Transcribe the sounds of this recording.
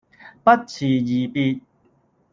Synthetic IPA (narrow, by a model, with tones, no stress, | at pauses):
pɐ˦˥t̚t͡sʰiː˨˩jiː˨˩pi˧t̚